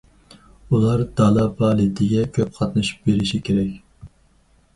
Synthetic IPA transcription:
ulˠɑɾd̪̥ɑlˠɑbɑːlˠɪt̪ʰɪɡʲɛkʲʰøp̚qʰɑt̪nɨʃu̥p̚beɾɪʃikʲʰeɾɛkʲ

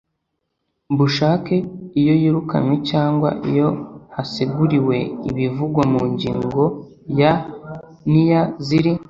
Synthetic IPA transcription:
buʃaːke̞ijo̞jiɾuka̰mwecaːŋɡwa̰ʔḭjo̞hasiɡuɾiwe̞ḭβivuɡwamuɲɟiːŋɡo̞ | ja | nijaziɾi

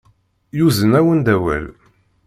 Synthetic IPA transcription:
juzənæwənd̪æwæ̰l

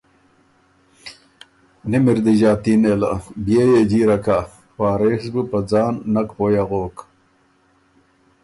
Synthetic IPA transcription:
nimiɾd̪iʑaːt̪inela̰bjejed͡ʑiːɾɐkʰa | paːɾexsbɨpɐd͡zɑːnːɐkpoːjaɣoːk

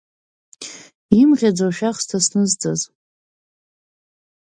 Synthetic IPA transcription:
imʁʲad͡zaʃᶣaχstʰasnɨzt͡sʼaz

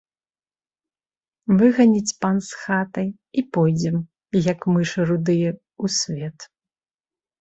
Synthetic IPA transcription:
vɨɣɐnʲit͡sʲpansxat̪ɐj | ipɔjd͡zʲɛm | jɐkmɨʂɨɾud̪ɨjɛ | usʲvʲɛt̪

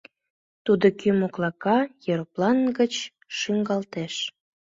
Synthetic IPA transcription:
t̪ud̪okymoklɑkɑjøɾplɑnɡət͡ɕ | ʃyŋɡɑlt̪eʃ

